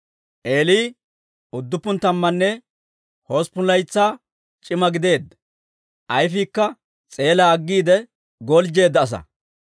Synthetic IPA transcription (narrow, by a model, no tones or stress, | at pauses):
ʔe̞ːliː | ʊd̪ːʊpːʊnt̪ɐmːɐnːɛ | ho̞ːspʊlɐjt͡sːaː | t͡ʃʼɪmɐɡɪd̪e̞ːd̪ɐ | ʔɐjfiːkːɐ | t͡sʼe̞ːlɐːɡːiːd̪ɛ | ɡɔld͡ʒe̞ːd̪ːɐːs̬ɐ̰